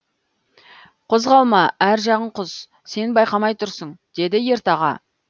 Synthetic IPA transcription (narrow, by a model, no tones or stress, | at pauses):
qʰozʁɑlˠmɑæɾʒɑʁəɴqʰʊz̥ | se̞nbɑjqɑmɑjt̪ʰʊɾsəɴd̪̥e̞d̪ɪje̞ɾt̪ɑʁɑ̰